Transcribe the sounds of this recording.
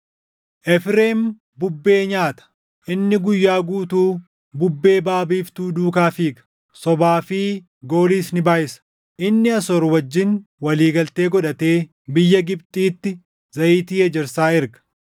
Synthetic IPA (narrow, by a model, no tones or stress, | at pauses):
ʔɛfɾeːm | bʊbːe̞ːɲaːt̪ɐ̥ | ʔɪnːɪɡʊjːaːɡuːt̪uː | bʊbːe̞ːbaːbiːft̪uːd̪uːkaːfiːɡɐ̥ | sɔbaːfiː | ɡo̞ːliːsnɪbaːjɪsɐ̥ | ʔɪnːɪɐsɔɾwɐd͡ʒːɪnwɐliːɡɐlt̪e̞ːɡɔᶑɐt̪e̞ː | bɪjːɐɡɪpt̪ʼiːt̪ːɪ | zɐʔiːt̪iːɐd͡ʒɛɾsaːɪɾɡɐ̥